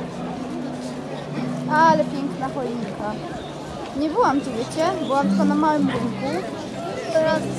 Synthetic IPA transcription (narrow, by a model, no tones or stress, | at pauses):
alɛpʲjɛŋknaxɔjɲika | ɲɛbɘwamt̪uɘt͡ɕɛbɨwamt̪anamawɘmɾuŋku | t̪ɔɾas